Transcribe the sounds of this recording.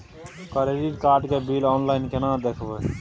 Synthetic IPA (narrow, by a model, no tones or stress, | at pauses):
kəɾeːɾiːɾkaːɾʈkeːbiːlɔːnlaːɪnkenãːd̪eːkʰʋeː